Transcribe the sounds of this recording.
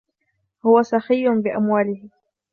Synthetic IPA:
hʊwasɑxɪjːʊnbɪʔamwaːlɪhɪ

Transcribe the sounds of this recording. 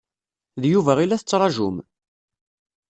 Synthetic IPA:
ðjuvæʁilːæθət͡sːɾˤɑʒṵm

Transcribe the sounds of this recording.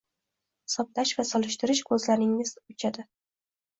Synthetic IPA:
sɒp̚t̪aʃvasɒlˠɪʃt̪ɪɾɪʃkʰɵzlanɪŋɪzʊt͡ʃʰad̪ɪ

